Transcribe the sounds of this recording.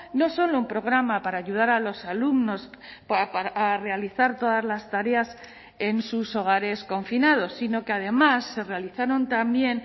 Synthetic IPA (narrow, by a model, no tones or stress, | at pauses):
no̞so̞lo̞umpɾo̞ɣ̞ɾamapaɾaːʝuð̞aɾalo̞salumno̞spapaːre̞aliθaɾt̪o̞ðazlast̪aɾe̞as | e̞nsuso̞ɣ̞aɾe̞sko̞ɱfinað̞o̞sːino̞keað̞e̞masːe̞re̞aliθaɾo̞nt̪ambje̞n